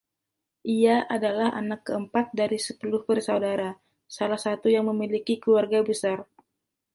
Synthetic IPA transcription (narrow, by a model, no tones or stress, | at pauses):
ʔiaʔadalaha̰nakːəəmpat̪̚daɾisəpulʊhpərsawdaɾa | salahsat̪ujaŋməmilikikluarɡabəsar